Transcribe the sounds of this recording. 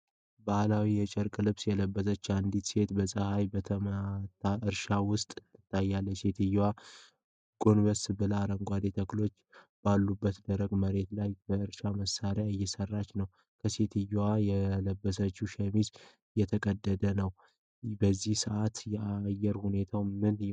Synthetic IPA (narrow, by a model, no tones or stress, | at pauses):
bahlawijɛt͡ʃʼəɾkʼlɨβsjɛləbːəsət͡ʃːand̪it̪se̞t̪bəsʼəhajbət̪ʰəmt̪ʰːaʔɨɾʃawʊst̪ʼt̪ʰːɨ̥t̪ʰːajːalːəse̞t̪ʰɨjːwa | ɡ̥o̞nbəsbɨlaɾəŋɡʷad̪et̪ʰəklo̞t͡ʃː | b̥alːubːət̪d̪əɾəɡməɾe̞t̪lajbəɨɾʃaməsːaɾjaɨjːɛsərːat͡ʃːnəw | kʰəse̞t̪ʰɨjwajɛləbːəs̬ət͡ʃːuʃɛmiz | jɛt̪ʰəkʼəd̪ːəd̪ənəw | bəzːihsəʔat̪jɛʔajːɛɾhune̞t̪ʰawmɨn